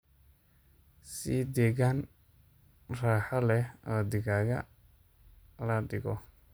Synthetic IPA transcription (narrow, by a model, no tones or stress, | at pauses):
sid̪ɛːɣan | raːħɐlɛɔːd̪ɪɣaɣɐ̰ | lɐdɪɣɔ